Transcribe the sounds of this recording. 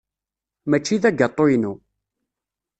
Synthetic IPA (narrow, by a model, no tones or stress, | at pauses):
mæt͡ʃːiðæɡət̪ˤːojnu